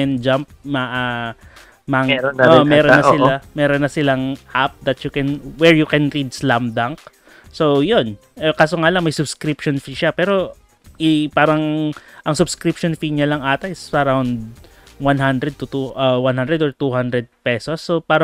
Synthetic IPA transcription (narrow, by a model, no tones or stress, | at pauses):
ɛnd͡ʒamp̚mɐʔa | maɛomɛːɾonːɐsɪlamɛːɾonːɐsɪlaŋʔap̚d̪ɐt̪jʊkɛnwɛɹjʊkɛnɾid̪̚slamd̪aŋk̚ | sojon | ʔɛkaːsoŋaːlɐŋmɐjsʊbskɾipʃonfiʃapɛːɾo̞ | ʔɪpaːɾɐŋʔɐŋsʊbskɾipʃonfiɲɐlɐŋʔaːt̪ɐʔɪsɐɾawnd̪̚ | wanɦand̪ɾɛd̪̚t̪ʊt̪uʔɐwanhand̪ɾɛd̪ɔɹt̪uhand̪ɾɛd̪̚pɛsosːopaːɾɐ